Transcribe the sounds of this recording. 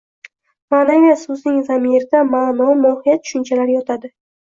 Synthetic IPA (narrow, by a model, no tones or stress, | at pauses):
manaɡʲasʊznɪŋzamiɾɪd̪amaːnɒmɒhijat̪̚tʰʊ̥ʃɪnt͡ʃʰalaɾjɒt̪ʰad̪ɪ